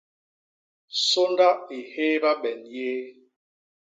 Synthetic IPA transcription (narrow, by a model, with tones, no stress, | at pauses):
so˦nda˦i˨he˦ba˦ɓɛ˨nje˦